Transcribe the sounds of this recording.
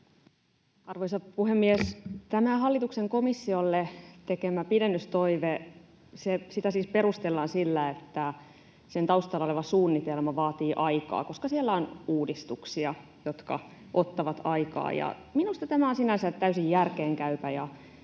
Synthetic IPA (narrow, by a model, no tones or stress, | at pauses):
ɑrʋoisɑpuhemːiest̪æmæhɑlːit̪ukseŋko̞misːiolːet̪ekemæpidenːyst̪oiʋe | sesit̪æsiːspe̞ɾust̪elːɑːnsilːæet̪ːæ | sent̪ɑust̪ɑlɑoleʋɑsuːnːit̪elmɑʋɑːt̪iːʔɑikɑ̰ːko̞skɑsielːæonuːdist̪uksiɑ | jo̞t̪kɑ̰ | ʔo̞t̪ːɑʋɑt̪ɑikɑ̰ːjɑ̰ | minust̪ɑt̪æmæonsinænsæt̪t̪æysijjærkeːŋkæypæjɑ